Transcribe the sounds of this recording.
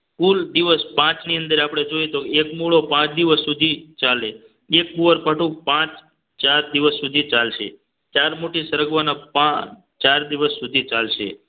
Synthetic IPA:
kuld̪iʋəspãt͡ʃniənd̪əɾapɽ̃ed͡ʒojet̪oekmuɭopãt͡ʃd̪iʋəsːud̪ʱit͡ʃale | ek̚buʋəɾpəʈũpãt͡ʃ | t͡ʃaɾd̪iʋəsːud̪ʱit͡ʃalʃḛ | t͡ʃaɾmoʈisəɾəɡʋanapã | t͡ʃaɾd̪iʋəsːud̪ʱit͡ʃalʃḛ

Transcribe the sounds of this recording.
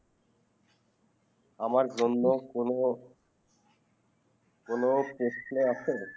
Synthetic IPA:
amaɾd͡ʑonːokoo | konopɾoʃneat͡ɕʰe

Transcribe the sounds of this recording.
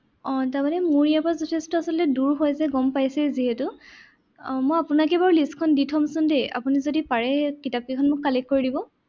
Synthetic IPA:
ɔ̃tamanɛmuɹijapazɔtʰestɔasɔlɔtɛduɹɦojzɛɡɔmpajsɛziɦɛtʊ | mojapʊnakɛbaɹulistkʰɔnditʰɔmsʊndea̰punizodipaɹɛkitap̚kikʰɔnmʊkːalekkoɹidibɔ

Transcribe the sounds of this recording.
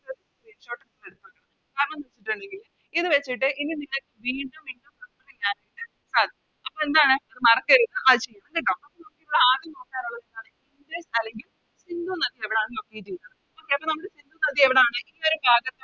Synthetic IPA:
ɐði | ɾiːnɕo̞ːʈːɐsleɽut̪ːukːɐɳɐm | kaːɾɐɳɐmniʋet͡ɕːiʈːɐɳɖeŋɡil | iðɨʋet͡ɕːiʈːɨʔinːinilːɐkːɨʋiːɳɖumiɳɖumpɐɐleɲaːnaːjiʈːɨ | saːd̪ʱɐ | ɐpːoːend̪aːɳɨɐðɨmɐrɐkːɐɾunːɨʔɐðɨt͡ɕejːɐɳɐmkiʈ̬ːɐmɐpːɐnɐmukːiʋuɭːeaːðinoːkːaːɾuɭːɐðend̪aːɳɨiŋɡɾesɐlːe̞ŋɡil | sind̪unɐðieʋiɽeaːnːiokːejt͡ɕijunːɐɳɨ | okːeɐpːonɐmːɐɽesind̪unɐðieʋiɽeaːɳɨilːoɾubʱaːɣɐt̪ːe

